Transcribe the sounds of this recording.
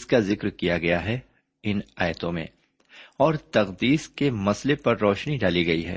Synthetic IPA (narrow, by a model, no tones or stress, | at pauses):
skazɪkɾkijaɡɐjaɦɛ | ɪnaːjət̪õmḛ̃ː | ɔːɾt̪ɐɣd̪iːskemɐslepɐɾːɔːʃniɖaːliɡɐiɦɛ̰ː